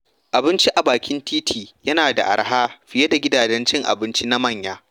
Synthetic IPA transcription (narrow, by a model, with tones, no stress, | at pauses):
ʔa˨bɪ˦nt͡ʃi˦ʔa˨baː˨kʲɪ˦ntiː˦tʰiː˨jɐ˦naː˨da̰˨ʔa̰˨ɽɦaː˦ɸɪ˦je˦da˨ɡʲɪ˦daː˨d͡ʒɛ˦nt͡ʃɪ˦ŋʔa̰˨bɪ˦nt͡ʃi˦na˦mɐ˦˨ɲjaː˦